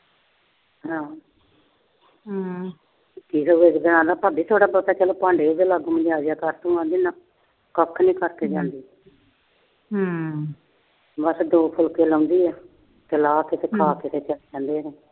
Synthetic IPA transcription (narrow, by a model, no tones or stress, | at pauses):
ɦãː | kiːseesɡəɽ̃ãːd̪aːpaːbiːt̪ʰoːɽaːbəːt̪aːt͡ʃəloːpãːɳɖeːd͡ʒ̪eləɡmə̃d͡ʒaːd͡ʒjaːkəɾt̪õːãːnd̪iːnaː | kəkʰːnĩːkəɾt̪eːd͡ʒãːnd̪iː | bəsd̪oːpʰʊlkeːləːnd̪iːɛː | t̪eːlaːkɪseːkʰaːkɪsʰeːt͡ʃəld͡ʒãːnd̪eːɾeː